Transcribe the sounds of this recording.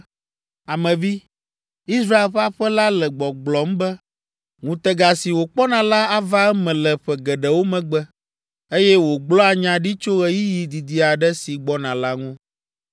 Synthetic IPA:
a˨mɛ̃˨vi˦ | i˦sɾa˦e˨lɸa˦ɸɛ˦la˦lɛ˨ɡ͡bɔ˨ɡ͡blɔ˨m̩˦bɛ˦ | ŋũ˨t̪ɛ˦ɡa˨si˨wo˨k͡pɔ˦nã˨la˦a˦va˦ɛ˦mɛ̃˨lɛ˨ɸɛ˨ɡɛ˨ɖɛ˨wo˦mɛ̃˨ɡ͡bɛ˦ | e˦jɛ˦wo˨ɡ͡blɔ˦a˨ɲã˨ɖi˦t͡ʃo˦ɣɛ˨ji˦ji˨d̪i˨d̪i˨a˨ɖɛ˦si˨ɡ͡bɔ˦nã˨la˦ŋũ˦

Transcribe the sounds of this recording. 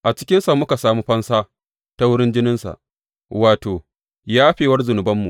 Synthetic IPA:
ʔa˨t͡ʃɪ̥˦kʲɪ˦nsa˨mʊ˦ka˨saː˨muː˦ɸɐ˦nsaː˦ | ta˦wʊ˦ɽɪ˦nd͡ʒɪ˦nɪ˦nsa̰˨ʔ | waː˨toː˨ | jaː˦ɸeː˨wɐ˦rzʊ˨nʊ˨bɐ˦mːṵ˨

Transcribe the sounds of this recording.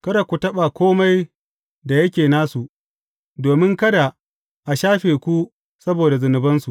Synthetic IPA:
kɐ˦da˨kʷu˨tɐ˦ɓa˨kʷoː˦ma˦j | da˨jɐ˦kʲeː˨naː˦su˨ʔ | doː˨mɪ˦ŋkɐ˦da˨ | ʔa˨ʃaː˦ɸeː˨kʷu˦ | sɐ˦boː˨da˨zʊ˨nɪ˨bɐ˦nsu˨ʔ

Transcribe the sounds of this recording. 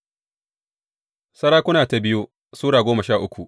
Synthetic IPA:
sɐ˦ɽaː˦kʷʊ˦naː˨ta˨bɪ˦ju˦ | suː˦ɽaː˨ɡʷoː˦mɐ˨ʃaː˦˨ʔʊ˦kʷu˨ʔ

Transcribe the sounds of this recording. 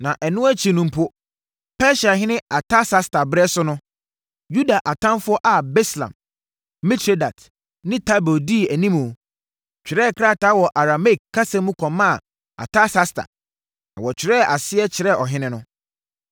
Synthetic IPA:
nã˨ʔɛ˨nʊ̃˦æ˦t͡ɕʰi˨nũ˨m̩˦pʰʊ˦ | pʰɛ˦ɕa˨ɦɪ̃˦nɪ̃˦a˨tʰa˦sa˦stʰa˨bɛ˦sʊ˦nʊ̃˦ | ju˦da˨ʔa˨tʰã˦nfʊ˦ɔ˦ʔa˨be˦slã̰˨m | mi˦tʰɾe˦da˨t | nɪ̃˦tʰa˦bo˨di˦˨æ˨nĩ˦mũ˨ | t͡ɕᶣɪ˨ɾɛ˦˨kʰɾa˦˨ta˦wɔ˨ʔa˨ɾa˨me˦˨k̚kʰːa˦sã˦mũ˦kʰɔ̃˨mã˦˨ | a̰˨tʰa˦sa˦stʰa̰˨ | nã̰˨wɔ˨t͡ɕᶣʰɪ˨ɾɛ˦˨ʔa˨sɪ˦ɛ˦t͡ɕʰɪ˨ɾɛ˦˨ɔ˨ɦɪ̃˦nɪ̃˦nʊ̃˦

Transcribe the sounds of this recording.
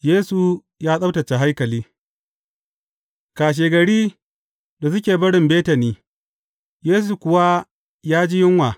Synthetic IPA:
jeː˦su˨ | jaː˦sʼɐ˦wtɐ˨t͡ʃːe˨ɦa˦jkɐ˨liː˦ | kaː˨ʃ̬eː˨ɡɐ˨ɽiː˦ | da˨s̬ʊ˦kʲeː˨bɐ˦ɽɪ˨mbeː˦tɐ˨niː˦ | jeː˦s̬u˨kʷʊ˨wa˦ | jaː˦d͡ʒi˦jɪ˦ŋwaː˨

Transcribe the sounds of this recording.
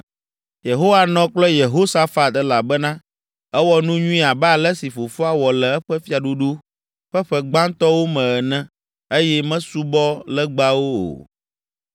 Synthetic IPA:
je˨ɦo˦wa˨nɔ̃˦k͡plɛ˦je˨ɦo˦sa˦fa˨t̪ɛ˦la˨bɛ˦nã˦ | ɛ˦wɔ˦nũ˦ɲũ˦ĩ˦a˨blɛ˦si˨fo˨fu˦a˦wɔ˨lɛ˨ɛ˦ɸɛ˦fi˦a˨ɖu˦ɖu˦ | ɸɛ˦ɸɛ˦ɡ͡bã˦nt̪ɔ˦wo˦mɛ̃˨ɛ˨nɛ̃˦ | e˦jɛ˦mɛ̃˦su˦bɔ˦lɛ˦ɡ͡ba˦wo˦o̰˨

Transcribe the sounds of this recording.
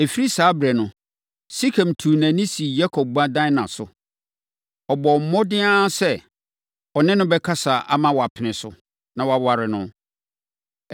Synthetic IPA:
e˨fi˦ɾi˦saː˨˦bɾɛ˨nʊ̃˨ | si˦kʰã˨m̩˨tʰu˨nã˨nĩ˦si˨ja˦kʰɔ˨p̚bã˦dã˦nã˨sʊ˨ | ɔ˨bɔ˨m̩˨˦mɔ̃˦dɪ̃˦ã˦sɛ˦˨ | ɔ˨nɪ̃˦nʊ̃˦bɛ˦kʰa˦sa˨ʔa̰˨˦mã˦wɔ˨a˨pʰɪ˨nɪ̃˨sʊ̰˨ | nã˨wa˨wa˨ɾɪ˨nʊ̃˦

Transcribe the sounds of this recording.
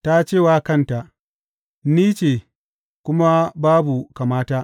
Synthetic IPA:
ta˦t͡ʃeː˦˨waː˦kɐ˦˨nta˨ʔ | niː˦t͡ʃe˨ | kʷʊ˦ma˦baː˦bu˨ka˨maː˦taː˦ʔ

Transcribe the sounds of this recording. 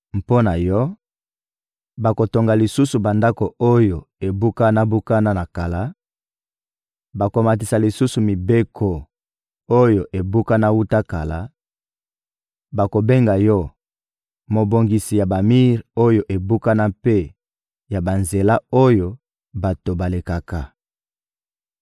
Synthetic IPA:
mpo˦na˨jɔ˦ | ba˨ko˨to˨ŋɡa˨li˨su˦su˨ba˨nda˦ko˨o˦jo˨e˨bu˦ka˦na˦bu˦ka˦na˦na˨ka˨la˦ | ba˨ko˨ma˨t̬i˨sa˨li˨su˦su˨mi˨be˦kʰo˨ | o˦jo˨ʔe˨bu˦ka˦na˦wu˦ta˦ka˨la˦ | ba˨ko˨be˦ŋɡa˨jɔ˦ | mo˨bo˨ŋɡi˨si˨ja˨ba˨mi˦ʁo˦jo˨ʔe˨bu˦ka˦na˦pe˦ | ja˨ba˨nze˨la˦o˦jo˦˨ | ba˨to˨ba˨le˨ka˨ka˨

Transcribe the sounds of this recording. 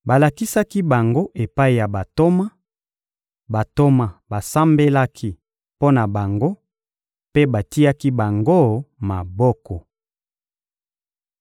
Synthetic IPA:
ba˨la˨ki˦sa˦ki˦ba˨ŋɡo˦ʔe˨pa˦i˨ja˨ba˨to˦ma˦ | ba˨to˦ma˨ba˨sa˦mbe˦la˦kʰi˦ | po˦na˨ba˨ŋɡo˦ | pe˦ba˨ti˦ja˦ki˦ba˨ŋɡo˦ma˨bɔ˦kɔ˨

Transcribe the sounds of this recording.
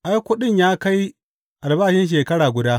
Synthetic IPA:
ʔa˦jkʷʊ˦ɗɪ˦ɲjaː˦ka˦j | ʔa˨lbaː˦ʃɪ˦nʃ̬eː˨kɐ˦ɽaː˨ɡʷʊ˨daː˦

